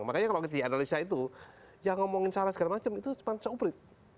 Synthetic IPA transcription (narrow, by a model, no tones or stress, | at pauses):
ŋmakaɲakalokit̪̬ianalisait̪u | jaŋɔmɔŋɪnsaɾasəɡalamat͡ʃəmit̪umansaubɾɪt̪̚